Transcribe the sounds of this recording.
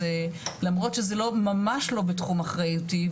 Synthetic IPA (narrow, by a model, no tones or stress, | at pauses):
elamʁo̞tʃezelo̞mamaʃlo̞betχumaχʁajuti